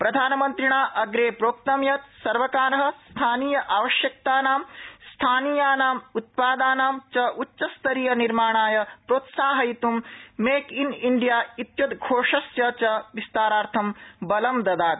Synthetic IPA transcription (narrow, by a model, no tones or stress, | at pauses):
pɾɐd̪ʱaːnɐmɐnt̪ɾiɳaːʔɐɡɾeːpɾoːkt̪ɐmjɐt̪̚sɐɾʋɐkaːɾɐɦɐ̆st̪ʰaːniːjɐʔaːʋɐʃjɐk̚t̪aːnaːmst̪ʰaːniːjaːnaːmut̪̚paːd̪aːnaːmt͡ʃɐʔutːt͡ʃɐst̪ɐɾiːjɐniɾmaːɳaːjɐpɾoːt̪saːɦɐjit̪umːeːkiniɳɖijaːit̪jɐd̪ɡʱoːʂɐsjɐt͡ʃɐʋist̪aːɾaːɾt̪ʰɐmbɐlɐmd̪ɐd̪aːt̪